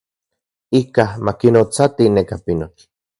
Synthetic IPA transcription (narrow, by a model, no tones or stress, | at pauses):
ikamakinot͡sat̪inekapinot͡ʃ